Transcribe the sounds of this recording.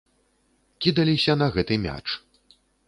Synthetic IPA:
kʲid̪ɐlʲisʲɐnɐɣɛt̪ɨmʲa̰t͡ʂ

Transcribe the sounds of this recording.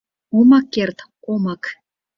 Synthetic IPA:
omɑkːert̪komɑk

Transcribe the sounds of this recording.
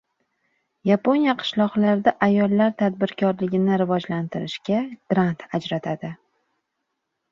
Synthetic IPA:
japonijaqʰɨ̥ʃlˠɒʁlaɾd̪aʔajɒlˠːaɾt̪ʰad̪̚bɪɾkʰʲɒɾlɪɡʲɪnɪɾɪvɒd͡ʒlant̪ɪɾɪʃkʲaɡ̥ɾant̪ʰad͡ʒɾat̪ʰad̪ɪ

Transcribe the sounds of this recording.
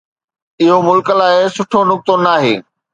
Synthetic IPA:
ɪɦomʊlkəlaːɪsʊʈʰonʊk̚t̪onaːɦeː

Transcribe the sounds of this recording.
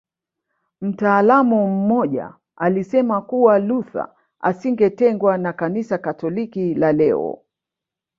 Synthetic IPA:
m̩taːlamum̩mɔʄa̰ | alisɛmakuwaluθa̰ | a̰siŋɡɛtɛŋɡwanakanisakatɔlikilalɛɔ̰

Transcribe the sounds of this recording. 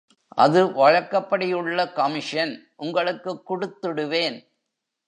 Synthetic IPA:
ʔɐ̰ðɯʋɐɻɐɾkːɐpːɐɽɪjɯɭːɐkɐmɪʂɐnʔʊŋɡɐɭɯkːɯkːʊɽɯt̪ːɯɽɯʋeːn

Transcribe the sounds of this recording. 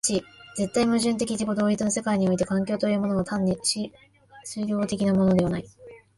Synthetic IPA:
t͡ɕid͡ze̞t̪ːaimɯ̟ʑɨ̃nt̪̬e̞kʲid͡ʑiɡo̞d̪oːɾʲit͡sɨno̞se̞kaiɲ̟io̞it̪e̞kãŋkʲo̞ːt̪o̞jɯ̟ːmo̞no̞ːt̪ãnːiɕi | sɨɾʲo̞ːt̪e̞kʲinamo̞no̞d̪e̞ana̰i

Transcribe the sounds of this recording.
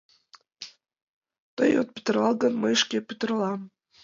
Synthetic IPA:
t̪ɤ̰jo̰t̪̚pʲy̥t̪ə̆rɑlˠɡənməjʃkʲepʲyt̪ə̆rlˠɑm

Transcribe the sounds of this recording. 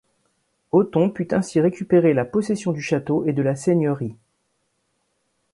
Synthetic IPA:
ot̪ɔ̃pyt̪ɛ̃siʁekʲypeʁelapɔsesjɔ̃d̪yʃat̪oʔed̪əlaseɲœʁi

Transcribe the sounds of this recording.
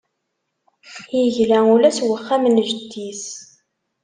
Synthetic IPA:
jəʝlæulæswəχːæmənʒəd̪ːis

